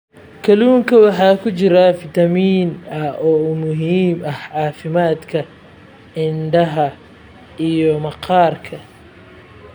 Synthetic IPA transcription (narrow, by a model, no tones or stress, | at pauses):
kʰɐluːŋkʰɐwɑħɑːkʰʊt͡ʃɪɾɐfɪt̪ʰɐmiːnɐɔːmʊɦiːmɐhʕɑːfɪmaːd̪kʰɐ | ʕɪnɖɐɦɐ | ʔijɔmɐqɑːrkʰɐ